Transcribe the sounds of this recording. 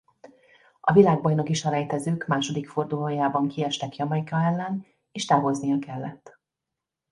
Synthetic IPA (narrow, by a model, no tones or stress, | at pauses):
ɒvilaːɡ̚bɒjno̞kiʃɒɾɛjt̪ɛzøːkmaːʃo̞d̪ikfo̞rd̪uloːjaːbɒŋkiɛʃt̪ɛkjɒmɒjkɒɛlːɛn | eːʃt̪aːɦo̞znijɒkɛlːɛt̪ː